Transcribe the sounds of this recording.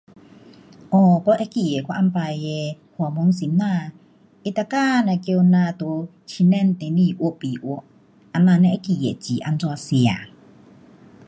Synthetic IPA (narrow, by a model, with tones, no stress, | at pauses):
ʔɔ˧kɔ˧˦ʔe˦ki˨˩je˨kwa˧ʔa˧npa˧˨je˧hwmo˧˦ŋsi˨˦mnã˧˨ | ʔi˧t̪a˧ka˥˨na˧˨kjo˧nã˧t̪o˨˧˦ | t͡ɕʰi˧nɛ˧˥˨nt̪e˨˦ni˧˩ʔu˧˦˨pi˨ʔu˧˩˦ʔ | ʔa˧nã˧nɛ̃˧ʔe˦ki˨˩jḛ˨t͡ɕi˨˦ʔa̰˧nt͡swa˧si˨a̰˨˩